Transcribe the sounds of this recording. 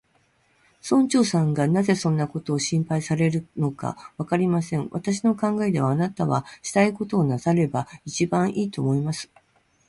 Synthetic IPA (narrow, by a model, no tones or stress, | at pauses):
sõ̞ɲ̟t͡ɕo̞ːsãŋɡanaze̞sõ̞nːako̞t̪o̞ːɕĩmpaisaɾe̞ɾɯ̟no̞ka̰βakaɾʲimasẽ̞ɴ̃βat̪aɕ̬ino̞kãŋɡae̞d̪e̞βaːnat̪aβaɕi̥t̪aiko̞t̪o̞ːnasaɾe̞bait͡ɕibãɰ̃ʔiːt̪o̞̰ːmo̞imasɨ̥